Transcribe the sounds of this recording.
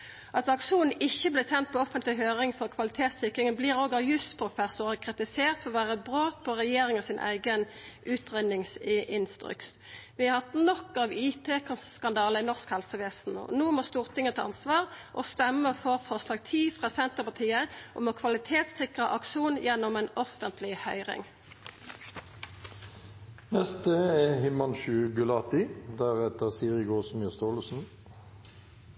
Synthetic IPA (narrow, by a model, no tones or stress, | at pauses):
ʔɑt̪ɑkʂuːnn̩ɪçːəblɪsɛnt̪̚pʰɔɔfənt̪lɪɦøːʁɪŋfɔʁkʰʋɑlɪt̪ʰeːt̪sɪkʁɪŋənbliːʁoːɡɑjʉst̪pʰɾʁʊfɛsʊʁəkʰʁɪt̪ɪseːʁt̪fʰɔɔʋæːʁəbʁoːt̪̚pʰɔʁɛjeːɾɪŋəsɪnʔæ̰ɪɡənʔʉːt̪ʁɛnɪŋsɪnst̪ɾʏ̰kt̪ | ʋɪɑʁhɑt̪nɔkːɑːʋiːt̪ʰeːkɑskɑnd̪ɑːləɪnɔʁskhɛlsəʋeːsn̩ɔ̰nuːmɔst̪uːʁt̪ʰɪŋət̪ʰɛɑ̰nsʋɑːʁʔost̪ɛməfɔʁfɔʁslɑːɡ̚t̪ʰiːfʁɑːsɛnt̪əʁpɑt̪ʰiːəʔo̰moːkʰʋɑlɪt̪ʰeːt̪sɪkʁəʔɑkʃuːnjɛnɔmeːnɔfənt̪ʰlɪhœʏʁɪ̰ŋ | nɛst̪əɛhɪmɑnʃʉɡʉlɑːt̪ɪd̪æʁɛt̪əʁsiːʁɪɡoːsməst̪oːləsn̩